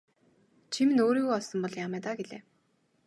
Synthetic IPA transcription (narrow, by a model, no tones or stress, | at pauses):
t͡ɕʰimɘ̆noːɾiːɣuɔɮsɞ̆mpɔɮjamæːt̪aːɡeɮḛː